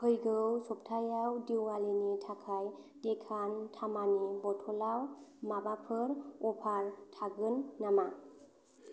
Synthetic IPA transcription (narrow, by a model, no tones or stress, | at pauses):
hʰɯjɡɯwsɔp̚tʰajawdiwalinitʰakʰajd̥ɛkʰantʰamanibɔtʰɔlawmabapʰɯɾɔpʰaɹtʰaɡɯnːama